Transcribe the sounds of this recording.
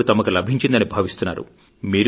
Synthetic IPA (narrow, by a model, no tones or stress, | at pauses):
ut̪ɐmɐkulɐbʱiɲt͡ʃind̪ɐnibʱaːʋist̪unːa̰ːɾṵ | miːɾ